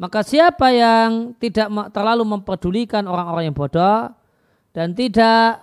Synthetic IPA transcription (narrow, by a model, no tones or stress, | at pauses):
makasiapajaŋt̪idaʔmt̪ərlaluməmpərd̥ulikanoɾaŋoɾaŋjaŋbɔd̥ɔ | d̥ant̪idaʔ